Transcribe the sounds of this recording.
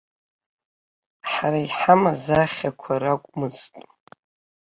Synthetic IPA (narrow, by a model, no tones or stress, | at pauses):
ħaɾaiħamazaχʲakʷʰaɾakʷʼmɨztʼ